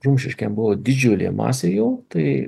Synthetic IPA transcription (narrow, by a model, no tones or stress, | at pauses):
ʒʊmʲʃʲɪʃʲkʲɛmbʊʋoːd̪ʲɪd͡ʒʲulʲḛmɑ̰ːsʲeːjɛʊt̪ɐɪ